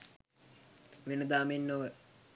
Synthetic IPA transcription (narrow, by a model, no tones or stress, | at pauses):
ʋenəd̪aːmenːoʋə